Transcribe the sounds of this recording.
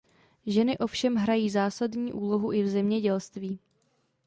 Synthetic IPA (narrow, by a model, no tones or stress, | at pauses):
ʒɛnɪʔo̞fʃɛmɦɾajiːzaːsadɲiːʔuːlo̞ɦuʔɪvzɛmɲɛɟɛlst̪viː